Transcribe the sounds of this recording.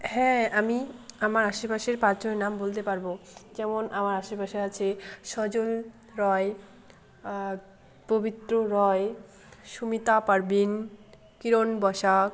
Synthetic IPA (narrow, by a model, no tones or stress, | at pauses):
hɛ̃amiamaɾaʃepaʃeɾpaɾd͡ʑonenambolt̪epaɾbod͡ʑɛmonʔamaɾaʃepaʃeɾat͡ɕʰeʃɔd͡ʑol | ɾɔe | pobit̪ɾoɾɔe | ʃumit̪apaɾbin | kiɾonbɔʃa